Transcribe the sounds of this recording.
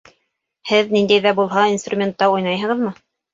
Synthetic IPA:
hɘðnind̪æjðæbulˠɦɑinst̪rumʲent̪ːɑujnɑjɦɤ̆ʁɤ̆ðmɤ

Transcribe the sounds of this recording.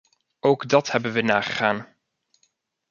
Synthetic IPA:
owɡdɑthɛbənʋənaːχəχaːn

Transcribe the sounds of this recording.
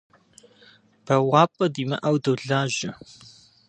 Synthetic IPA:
b̥ʰɐwɑːpʼɐdiːmɐ̰ʔɐwdɨwɮaːʒɪ

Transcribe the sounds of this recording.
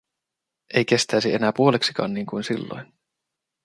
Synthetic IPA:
ʔe̞jk̟e̞st̪æjsie̞næːpuo̞leksi̥kɑ̰ːnniːŋkujnsilːo̰jn

